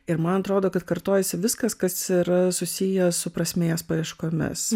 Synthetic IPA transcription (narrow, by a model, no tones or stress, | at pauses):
ɪɾmɐnɐt̪ɾoːd̪oːkɐt̪kɐɾt̪oːjɛsʲɪʋʲɪskɐskɐsiːɾɐsʊsʲɪjɛsʊpɾɐsʲmʲeːjɛspɐɾʲɪʃkoːmʲɪ̰s